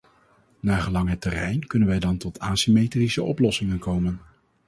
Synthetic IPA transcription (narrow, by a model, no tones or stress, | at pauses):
naːχəlɑŋɦətːɛrɛjnkɵnənʋɛjdɑntɔtʰaːsimejtrisəʔɔplɔsɪŋənkowmən